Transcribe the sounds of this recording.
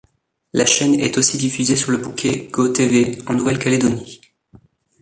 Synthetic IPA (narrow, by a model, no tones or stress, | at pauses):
laʃɛnɛ̰t̪osid̪ifyzesyʁləbukʲʰɛɡ̥ot̪eveɑ̃nuvɛlkaled̪ɔni